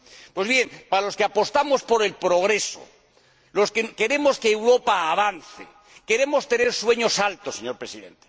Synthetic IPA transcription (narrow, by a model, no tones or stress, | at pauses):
pwe̞zβje̞ŋpaalo̞skeapo̞st̪amo̞spo̞ɾe̞lpɾo̞ɣ̞ɾe̞so̰ | lo̞skeke̞ɾe̞mo̞skeːwɾo̞paːβ̞anθḛ | ke̞ɾe̞mo̞st̪e̞ne̞ɾswe̞ɲo̞salt̪oseɲo̞ɾpɾesiðe̞̰nt̪e̥